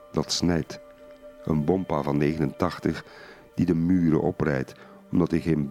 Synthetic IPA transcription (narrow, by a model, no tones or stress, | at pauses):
dɑtsnɛjt | ə̰nbɔmpavɑnːeːɣənəntɑχtəχ | d̥idəmyːɾə̰ʔɔprɛ̰jt | ɔmdɑtɪχeːnb